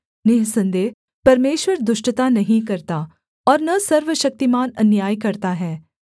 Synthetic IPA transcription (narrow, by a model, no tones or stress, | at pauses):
nɪɦsɐ̃nd̪eːɦ | pɐɾmeːʃʋəɾd̪ʊʃʈt̪anɐɦĩkɐɾt̪aː | ɔːɾnɐsɐɾʋəʃɐk̚t̪imaːnɐnjaːjkɐɾt̪aɦɛː